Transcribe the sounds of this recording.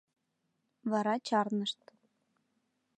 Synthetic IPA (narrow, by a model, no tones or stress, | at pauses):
βɑɾɑt͡ɕɑrnɤ̆ʃt̪̚